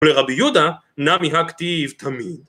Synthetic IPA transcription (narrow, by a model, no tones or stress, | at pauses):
leʁabijud̪a | namiɦakt̪ivt̪ʰamid̪